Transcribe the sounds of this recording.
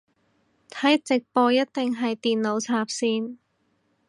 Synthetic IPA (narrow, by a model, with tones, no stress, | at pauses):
t̪ʰɐ˨˥jt͡sɪ˨k̚pɔː˧jɐ˥t̚t̪ɪ˨ŋɦɐ˨jt̪iː˨nlo˨˧wt͡sʰaː˧p̚siː˧n